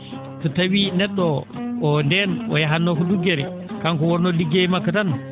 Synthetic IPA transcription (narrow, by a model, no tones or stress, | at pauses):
tɔtawinɛɗːɔː | ndɛnɔ̰jaɦanːɔkɔduɡɛɾɛ | kaŋkɔwɔnːɔliɡemakːatan